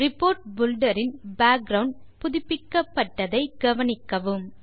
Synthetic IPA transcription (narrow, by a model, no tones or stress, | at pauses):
ɾɪpːoːɾʈ̚bʊlɖɐɾɪnbaːk̚ɡɾɐʋɳɖpʊðɪpːɪkːɐpːɐʈːɐðɐɪɡɐʋɐnɪkːɐʋɯm